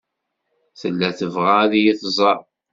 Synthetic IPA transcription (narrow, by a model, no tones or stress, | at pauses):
θəlːæθəvʁaðijiθzˤɑˤ